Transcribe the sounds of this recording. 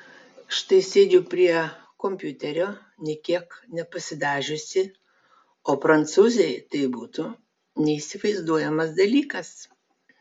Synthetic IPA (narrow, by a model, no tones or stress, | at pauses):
ʃt̪ɐɪsʲeːd̪ʲʊpʲɾʲiɛ | komʲpʲjʊt̪ʲɛɾʲoː | nʲɛkʲiɛknʲɛpɐsʲɪd̪ɑːʒʲʊsʲɪ | oːpɾɐnˑt̪suːzʲɛɪt̪ɐɪbuːt̪ʊ | nʲɛisʲɪʋɐɪzd̪uɔjɛmɐsd̪ɐlʲiːkɐs